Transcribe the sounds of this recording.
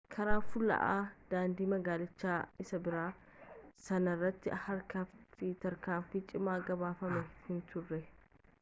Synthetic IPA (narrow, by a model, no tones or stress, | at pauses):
kʰɐɾaːfʊlːɐ̰ʔaːd̪̥aːnd̪iːmɐɡaːlɪt͡ʃːaːɪsɐbɪɾaː | sɐnɐrːɐt̪ːɪ̰hɐɾkɐft̪it̪ɐɾkaːmfiːt͡ʃʼɪmaːɡɐβaːfɐmɛhɪnt̪ʊrːɛ